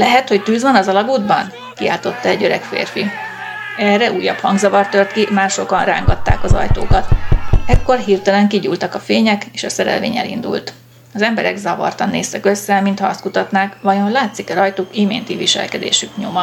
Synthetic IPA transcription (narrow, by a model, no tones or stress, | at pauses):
lɛɦɛt̪ho̞ct̪yːzvɒnɒzɒlɒɡuːd̪bɒn | kia̰ːlt̪o̞t̪ːɒɛɟøɾɛkfḛːrfi | ɛrːɛʔuːjːɒphɒŋɡzɒvɒrt̪ørt̪kimaːrʃo̞kɒnra̰ːŋɡɒt̪ːa̰ːkɒzɒ̰jt̪oːkɒt̪ɛkːo̞rɦiːrt̪ɛlɛŋkiɟṵlt̪ɒkɒfeːɲɛkeːʃɒsɛɾɛ̰lvḛːɲɛ̰lḭnd̪ṵlt̪ | ɒzɛmbɛɾɛ̰ɡzɒvɒ̰rt̪ɒnːḛːst̪ɛkø̞sːɛmint̪hɒɒst̪kut̪ɒt̪naːkvɒjo̞nlaːt̪sikɛɾɒjt̪oːkimḛːnt̪iviʃɛ̰lkɛd̪ḛːʃykɲo̞mɒ